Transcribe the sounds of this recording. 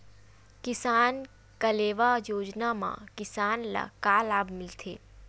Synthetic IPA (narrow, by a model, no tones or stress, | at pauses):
kɪsaːn | kəleːʋajoːd͡ʒnamã̰kɪsaːnla̰kaːlaːbmɪlt̪ʰḛː